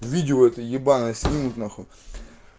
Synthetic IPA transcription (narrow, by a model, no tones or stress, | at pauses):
vʲidʲɪoɛt̪əjʲɪbanɐsʲnʲimnʊt̪naxo